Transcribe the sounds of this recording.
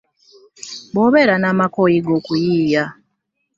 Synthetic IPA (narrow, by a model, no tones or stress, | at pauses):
βoβeɾanaːmakojiɡoːkujiːja